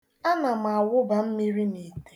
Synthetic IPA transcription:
a˦na˨m˨a˨wʊ˦ba˨m̩˦mi˦ɾi˦mi˨te̥˨

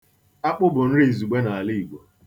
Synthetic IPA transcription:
a˦k͡pʊ˦bʊ˨n̩˦ɾi˦˨zu˨ɡ͡be˦na˨a˨li˦i˨ɡ͡bʷo˨

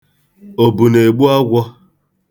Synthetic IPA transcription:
o˨bu˨ne˨ɡ͡bu˦a˦ɡʷɔ˦

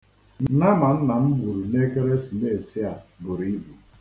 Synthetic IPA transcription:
na˦ma˨n̩˦na˨m̩˦bu˨ɾu˨ne˦ke˦ɾe˦si˨me˦˨e˨sɪ˦a˨bʊ˨ɾi˨˦i˦bu˨

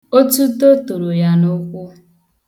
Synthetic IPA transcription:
o˦tu˦to˦tu˨ɾo˨ja˦nʊ˦kʷʊ˦

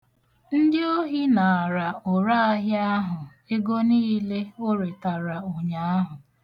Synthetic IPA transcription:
n̩˦dɪ˦o˦ɦi˦na˨ɾa˨ʊ˨ɾa˦a˦ɦja˦ɦʊ˨ | e˦ɡo˦niː˦le˦o˦ɾe˨ta˨ɾa˨o˨ɲa˨˦a˦ɦʊ˨

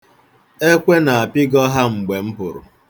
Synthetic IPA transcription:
e˦kʷe˦na˨a˨pɪ˦ɡɔ˦ɦa˦ŋ͡m̩˨ɡ͡be˨m̩˦pʊ˨ɾʊ̰˨

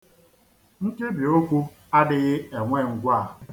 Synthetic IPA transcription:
ŋ̩˦ke˦bi˨o˦kʷu˦ | a˦dɪ˦ɣɪ˦e˨ŋʷe˦˨ŋ̩˨ɡʷa˦˨

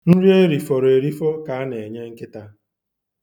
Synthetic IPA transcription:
n̩˦ɾi˦e˦ɾi˨fɔ˨ɾe˨ɾi˦fɔ˦ka˨a˦ne˨ɲe˦ŋ̩˦kɪ˦ta˦

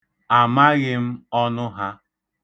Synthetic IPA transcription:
a˨ma˦ɣɪ˦m̩˦ɔ˦nʊ˦ɦa˦

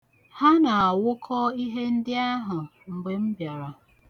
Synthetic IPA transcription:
ha˦na˨a˨wʊ˦kʰɔ˦i˦ɦe˦n̩˦dɪ˦a˦ɦʊ˨m̩˨ɡ͡be˨m̩˦bja˨ɾa˨

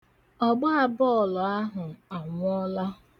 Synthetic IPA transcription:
ɔ˦ɡ͡ba˦a˦˨bɔ˦˨lɔ˨a˦ɦʊ˨a˨ŋʷ˦ɔ˦la˦

